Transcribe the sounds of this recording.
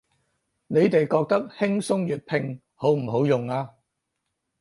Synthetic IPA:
ne˨˧jt̪e˨jkɔː˧k̚t̪ɐ˥k̚hɪ˥ŋsʊ˥ŋjyː˨t̚pʰɪ˧ŋ | ho˨˥wm̩˨˩ɦo˨˥wjʊ˨ŋaː˧

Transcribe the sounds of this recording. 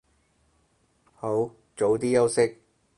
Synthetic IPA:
ho˨˥w | t͡ʃo˨˥wt̪iː˥jɐ˥wsɪ˥k̚

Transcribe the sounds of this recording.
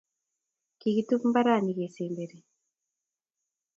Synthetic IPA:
ki˨ki˨tu˦pm̩ba˦ɾa˦˨ni˨ɣe˨se˨mbe˨ɾe˨

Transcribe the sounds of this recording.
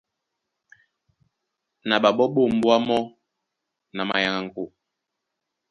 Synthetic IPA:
na˨ɓa˨ɓɔ˦ɓo˦˨m̩˦bwa˦mɔ˦ | na˨ma̰˨ja˨ŋa˨ŋ̩˦ko˦˨

